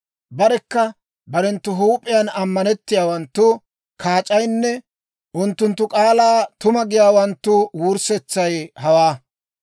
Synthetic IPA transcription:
bɐɾɛkːɐ | bɐɾɛnt̪ːʊɦuːpʼːɪjɐnɐmːɐnɛt̪ːɪjaːwɐnt̪ːʊ | kʰaːt͡ʃʼɐjnːɛ | ʔʊnt̪ːʊnt̪ːʊkʼaːlaːt̪ʊmɐɡɪjaːwɐnt̪ːʊwuɾsɛt͡sːɐjhɐwaː

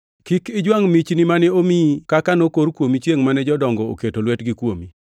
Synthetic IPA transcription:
kikɪd͡ʒwaŋmit͡ʃnimanɛomikakanokoɾkwomit͡ʃjeŋmanɛd͡ʒɔdɔŋɡɔo̰ketolwɛtɡɪkwomi

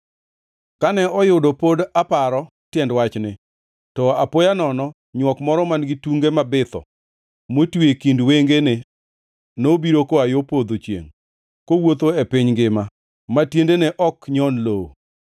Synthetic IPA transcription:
kanɛɔjʊdopodapaɾɔ | tjɛndwat͡ʃnɪ | tɔapojanɔnɔ | ɲwɔkmɔɾɔmanɡɪtuŋɡemabɪt̪ɔ̰ | motwekindweŋɡenɪ | nobiɾokoajopod̪ot͡ʃjḛŋ | kowot̪oɛpɪɲɡɪma | matjendenɛʔɔkɲɔnlo

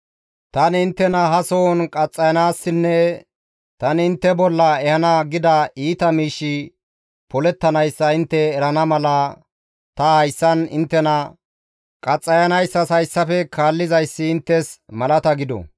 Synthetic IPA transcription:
t̪ɐnɪnt̪ːɛnɐɦɐsonkʼɐt͡sʼːɐjɐnaːsːɪnːɛ | t̪ɐnɪnt̪ːɛbɔlːɐɛhɐnɐɡɪd̪ɐiːt̪ɐmiːʃːɪ | pɔlɛt̪ːɐnɐjsːɐɪnt̪ːɛːɾɐnɐmɐlɐ | t̪ɐhɐjsːɐnɪ̰nt̪ːɛnɐ | kʼɐt͡sʼːɐjɐnɐjsːɐshɐjsːɐfɛkʰaːlːɪzɐjsːɪːnt̪ːɛsmɐlɐt̪ɐɡɪd̪ɔ̰

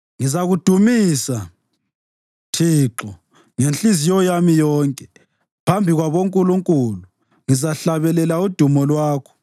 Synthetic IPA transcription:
ŋizaɣud̥ʱumiːsa | tʰiːǁɔ | ŋent͡ɬʼizijɔjamijɔːŋkʼɛ | pʰambʱiɣwaβoŋkʼuluŋkʼulu | ŋizaɬaβɛlɛlaud̥ʱumɔlwaːkʰɔ̥

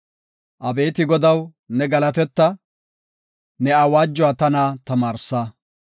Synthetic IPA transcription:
ʔɐbe̞ːt̪ɪɡɔd̪ɐw | nɛɡɐlɐt̪ɛt̪ːɐ | nɛɐwaːd͡ʒːɔaːt̪ɐnaːt̪ɐmaːɾsa

